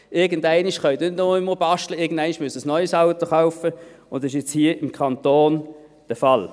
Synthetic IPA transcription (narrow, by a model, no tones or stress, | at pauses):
ɪɐɡən̩dæɪniʃχœɥd̪nɪtnɔɪməlbɑʃtləɪɐɡən̩d̥æɪniʃmʉəsəsnɔʏsɑʊtoχaʊfəʊnd̪ɪʃɛt͡shiəʔɪmkʰɑntoːn | d̥əfɑl